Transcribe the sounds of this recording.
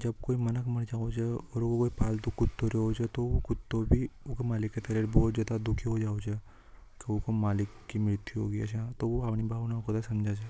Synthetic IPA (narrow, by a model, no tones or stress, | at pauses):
d͡ʒɐbkoːimɐnəkmɐɽd͡ʒaːod͡ʒɛɔːɾkokoːipaːlt̪ʊkʊt̪ːoɾeod͡ʒɛt̪ookʊt̪̚ːobʱiʊkemaːlɪkːet̪aɾeɾbɔːt̪zaːd̪ad̪ʊkʰiɦod͡ʒaːot͡ʃɛː | keʊkomaːlɪkːimɪɾt̪iɦo̰ːɡəia̰t͡ʃãt̪oʋoapnibʱaːʋnakod̪asɐmd͡ʒʱad͡ʒɛː